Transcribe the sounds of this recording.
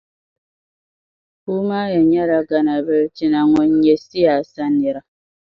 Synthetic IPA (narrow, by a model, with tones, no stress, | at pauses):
u˦ma˦je˨ɲa˦ɾa˨ɡa˦na˨bə˦t͡ʃi˨na˨ŋɔ˨ɲe˨si˦a˨sa˦ni˨ɾa˦